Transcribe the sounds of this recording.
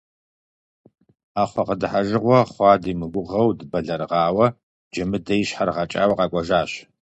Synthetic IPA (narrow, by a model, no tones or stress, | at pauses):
aːχʷɐqədɨħaʒɨʁʷɔχʷɑːdiːmɨɡʷʊʁɐwdbɐɮɐrʁɑːwɐ | d͡ʒɐmɨdɐjɪɕħarʁat͡ʃʼaːwɐqʼɑːkʷʼɐʒaːɕ